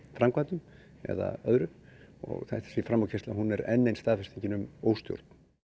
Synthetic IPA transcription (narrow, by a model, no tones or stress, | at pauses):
fɾamkvaːt̪ʏm | ɛ̰ða̰œðɾʏɔ̰ɣθaht̪ḁsvifɾamawcʰest̪laɦunɛɾɛnːejnst̪aːðfɪst̪ʰiɲcɪnʏmoːwst̪jo̰ɾt̪n̥